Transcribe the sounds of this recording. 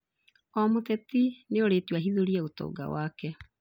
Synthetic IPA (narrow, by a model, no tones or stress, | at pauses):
ɔmotɛtineoɾetwaɦiðuɾiɛotɔ̰ːɡa̰waːkɛ